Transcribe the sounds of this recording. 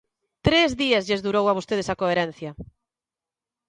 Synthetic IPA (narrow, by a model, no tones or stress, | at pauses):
t̪ɾezðiɐzʎezðuɾowaβost̪eð̞esakoeɾɛn̟θjɐ